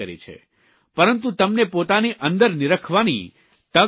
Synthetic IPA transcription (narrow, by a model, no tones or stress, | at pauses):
əɾḭt͡ʃʰḛ | pəɾənt̪̬ũt̪əmnepot̪aniʔə̃nd̪əɾniɾəkʰʋanḭ | t̪ə